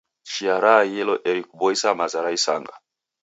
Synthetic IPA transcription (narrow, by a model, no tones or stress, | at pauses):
t͡ʃiaɾajɛlɔʔɛɾikubɔisamazaɾaisa̰ŋɡa̰